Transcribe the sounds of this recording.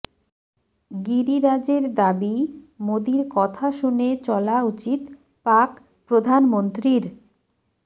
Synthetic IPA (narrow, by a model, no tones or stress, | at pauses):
ɡiɾiɾad͡ʑeɾd̪abi | mod̪iɾkɔt̪ʰaʃunet͡ɕɔlaut͡ɕit̪ | pak | pɾod̪ʱanmont̪ɾiɾ